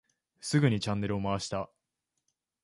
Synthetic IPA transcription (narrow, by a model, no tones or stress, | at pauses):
sɨɡɯ̟ɲ̟it͡ɕãnːe̞ɾɯ̟o̞maβaɕi̥t̪a